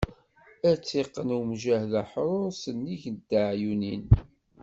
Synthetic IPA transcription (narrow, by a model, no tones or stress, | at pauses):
æt͡sːiqːənumʒæhðæħɾˤʊɾsənːiʝd̪ːaʕjunin